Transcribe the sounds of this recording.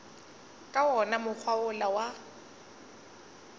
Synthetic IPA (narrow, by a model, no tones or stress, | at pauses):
kʼawɔnamʊk͡xʰwaʊlawa